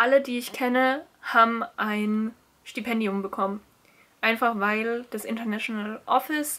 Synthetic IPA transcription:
ʔalədiːɪçkʰɛnə | haːbm̩ʔaɪn | ʃtipʰɛndiʊmbəkʰɔmən | ʔaɪnfaχvaɪld̥asʔɪntɐnaʃonalʔɔfɪs

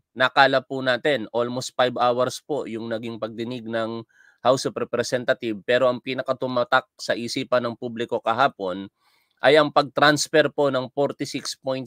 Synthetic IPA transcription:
nɐkaːlɐpʊnaːt̪ɛnʔolmost̪̚fajbawɐɾspo̞jʊŋnɐɡiŋpɐɡ̚d̪ɪnɪɡ̚nɐŋ | hawspɾɛpɾɛsɛnt̪ɐt̪ɪbpɛːɾo̞ʔɐŋpiːnɐkɐt̪ʊmat̪ak̚sɐʔisiːpɐnːɐŋpublɪko̞kɐɦaːpo̞n | ʔɐjʔɐŋpɐɡ̚t̪ɾansfɛɾpo̞nɐŋfoɾt̪ɪsikspojnt̪̚

